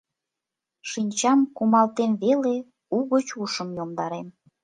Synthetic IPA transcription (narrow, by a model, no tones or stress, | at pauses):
ʃinʲt͡ɕɑmkumɑlt̪emβele | uɣət͡ɕuʃəmjomd̪ɑɾem